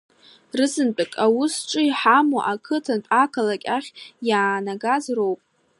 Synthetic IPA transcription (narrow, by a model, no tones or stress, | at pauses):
rɨzɨnt͡pʼɨkʼawʊsʈ͡ʂʷʼɨiħamoʔakʰɨtʰantʼakʰalakʲʼaχʲjaːnaɡazrowpʼ